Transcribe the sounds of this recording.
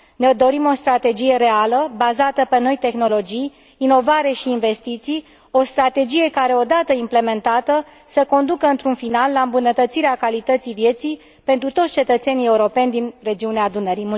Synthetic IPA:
ned̪o̞ɾimo̞st̪ɾat̪e̞d͡ʒije̞ɾe̞aləbazat̪əpe̞no̞jt̪e̞xno̞lo̞d͡ʒijː | no̞vaɾe̞ʃiːnve̞st̪it̪sij | o̞st̪ɾat̪e̞d͡ʒije̞kaɾe̞o̞d̪at̪əimple̞me̞nt̪at̪ə | səko̞nd̪ukəɨnt̪ɾunfinalːaɨmbunət̪ət̪siɾeakalit̪ət̪sivje̞t̪sij | pe̞nt̪ɾut̪o̞tsʲt͡ʃe̞t̪ət̪se̞nije̞uɾo̞pe̞nʲd̪inre̞d͡ʒiuneaːd̪unəɾimu

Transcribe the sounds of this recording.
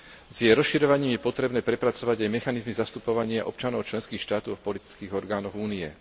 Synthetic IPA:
zjɛɾɔsʃiɾɔʋaɲiːmjɛpɔt̪ɾɛbnɛːpɾɛpɾat͡sɔʋaɟajmɛxanizmizast̪upɔʋaɲɪaʔɔpt͡ʃanɔʊt͡ʃlɛnskiːxʃt̪aːt̪ɔʊfpɔlit̪i̥t͡skiːɣɔɾɡaːnɔɣuːniɛ

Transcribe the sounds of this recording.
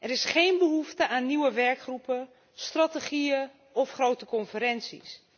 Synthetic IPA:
ʔɛɾɪsχeːnbəɦuftəʔaːnːiwəʋɛɹkχrupə | strateχiə | ɔfχroːtəkɔnfəɾɛnsḭs

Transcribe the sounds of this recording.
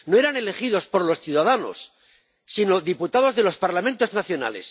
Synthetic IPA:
no̞eɾane̞le̞χiðo̞spo̞ɾlo̞sθjuðaðano̞̰sː | ino̞ðiput̪aðo̞zðe̞lo̞spaɾlamẽnt̪o̞znaθjo̞na̰lḛs

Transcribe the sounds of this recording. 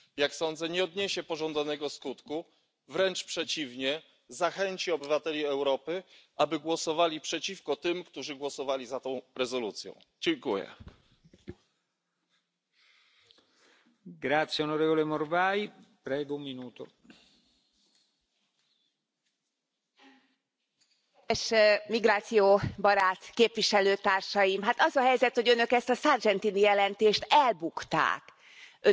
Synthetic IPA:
jaksɔnd̪zɛɲɛɔd̪ɲɛɕɛpɔʐɔnd̪zanɛɡɔskut̪ku | vɾɛnt͡ʂpʂɛt͡ɕivɲɛ | zaxɛɲt͡ɕiɔbɘvat̪ɛlʲiɛwɾɔpɘʔabɘɡwɔsɔvalʲipʂɛt͡ɕifkɔt̪ɘmkt̪uʐɘɡwɔsɔvalʲizat̪ɔ̃w̃ɾɛzɔlut̪sʲjɔ̰̃w̃ | d͡ʑɛŋkujɛ̰ | ɡɾat̪sːjeonoɾeːvolemorvajpɾɛːɡoummːinuːt̪o | eʃmiɡɾaːt̪sijoːbɒɾaːt̪keːpʋiʃɛløːt̪aːrʃɒjimɦaːt̪ɒzɒɦɛjzɛt̪ho̞ɟønø̞kɛst̪ɒsard͡ʒɛnt̪inijɛlɛnt̪eːʃt̪ɛlbukt̪a̰ːk | ø

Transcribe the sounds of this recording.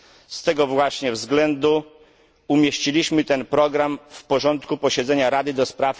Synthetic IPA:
st̪ɛɡɔvwaɕɲɛvzɡlɛnd̪u | umʲjeɕt͡ɕilʲiɕmɘt̪ɛnpɾɔɡɾamfpɔʐɔnt̪kupɔɕɛd̪zɛɲaɾad̪ɘd̪ɔspɾaf

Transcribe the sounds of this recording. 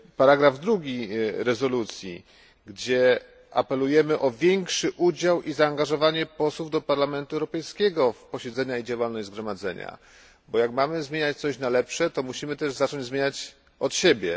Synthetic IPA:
paɾaɡɾavd̪ɾuɡʲiɾɛzɔlut̪sʲjḭ | ɡd͡ʑɛ | a̰pɛlujɛmɘʔɔvʲjɛŋkʂɘʔud͡ʑawʔizaːŋɡaʐɔvaɲɛpɔswuvd̪ɔpaɾlamɛnt̪uɛwɾɔpɛjskʲɛɡɔfpɔɕɛd̪zɛɲaid͡ʑawalnɔʑzɡɾɔmad̪zɛ̰ɲa̰ | bɔjakmamɘzmʲeɲat͡ɕt̪sɔɕnalɛpʂɛt̪ɔmuɕimɘt̪ɛʐzat͡ʂɔɲd͡ʑzmʲeɲat͡ɕ | ɔt̪ɕebʲjɛ

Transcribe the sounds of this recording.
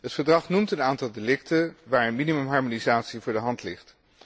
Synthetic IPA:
ɦətfəɹdrɑχnumtənaːntɑlˠdelɪktəʋaːɹənminimɵmɦɑɹmonizaːtsivʊːɹdəɦɑntlɪχt

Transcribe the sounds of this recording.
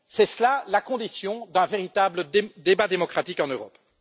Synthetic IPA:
sɛslalakɔ̃d̪isjɔ̃d̪ɛ̃veʁit̪abləd̪ebad̪emɔkχat̪ikɑ̃nøʁɔp

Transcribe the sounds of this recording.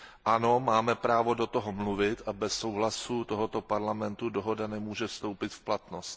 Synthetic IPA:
ʔano̞maːmɛpɾaːvo̞do̞t̪oɦomluvɪt̪ʔabɛsːowɦlasut̪oɦot̪o̞paɾlamɛnt̪udoɦo̞danɛmuːʒɛfst̪o̞wpɪt̪fplat̪nost̪

